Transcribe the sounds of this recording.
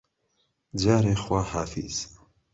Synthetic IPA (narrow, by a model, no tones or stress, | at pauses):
d͡ʒaːɾeːxwaːhaːfḭz̥